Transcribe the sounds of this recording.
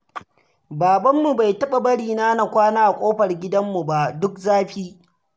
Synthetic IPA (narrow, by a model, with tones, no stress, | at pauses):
baː˨bɐ˦mːu˨ba˨jtɐ˦ɓa˨bɐ˦ɽiː˨na˦na˨kʷaː˦naː˦ʔa˨kʷʼoː˦ɸɐ˨rɡʲɪ˦dɐ˦mːu˨ba˦˨ʔdʊ˦k̚zaː˦ɸiː˦